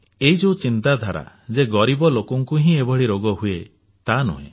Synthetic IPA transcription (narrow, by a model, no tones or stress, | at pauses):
eɦid͡ʒewt͡ʃint̪ad̪ʱaɾa̰ | d͡ʒeɡɔɾibɔlokɔŋkuɦĩebʱɔɽiɾoɡɔɦue | t̪anṵɦḛ̃